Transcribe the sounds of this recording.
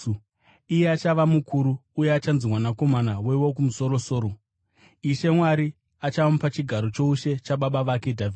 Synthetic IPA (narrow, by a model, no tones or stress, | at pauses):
ijeat͡ʃaʋamukʰuɾuːjeat͡ʃanzimwanako̞manawe̞wo̞k̬umuso̞ɾo̞so̞ːɾo̞ | iʃe̞mwaɾi | at͡ʃaʋamupat͡ʃiɡʱaɾo̞t͡ʃo̞uʃe̞t͡ʃaɓaɓaʋake̞dʱavi